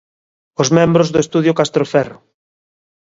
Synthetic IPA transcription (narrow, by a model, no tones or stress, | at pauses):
ozmẽmbɾozðʊest̪uðjʊkast̪ɾofɛrʊ